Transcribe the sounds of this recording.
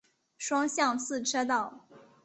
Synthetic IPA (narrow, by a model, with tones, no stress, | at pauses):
ʂwɑ˥ŋɕjɑ˥˧ŋt͡sʰɹ̩˥˩ʈ͡ʂʰɤ˥t̪ɑ˥˩ʊ